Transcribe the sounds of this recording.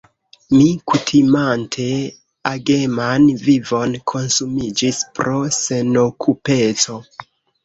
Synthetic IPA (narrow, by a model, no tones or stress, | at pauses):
mikutʰimantʰe̞ | aɡe̞manvivo̞nkʰo̞nsumid͡ʒispɾo̞se̞no̞kʰupe̞t͡so̞